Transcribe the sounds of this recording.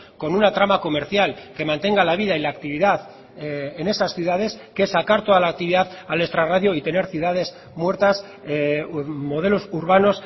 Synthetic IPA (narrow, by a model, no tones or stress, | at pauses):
ko̞nunat̪ɾamako̞me̞ɾθjalke̞mãnt̪e̞ŋɡalaβ̞iðailaːkt̪iβiðað | ene̞sasθjuðaðe̞skesːakaɾt̪o̞ð̞alaːk̚t̪iβiðaðalest̪ɾaraðjoit̪e̞ne̞ɾθjuðað̞e̞s | mwe̞ɾt̪as | mo̞ð̞e̞lo̞suɾβ̞ano̞s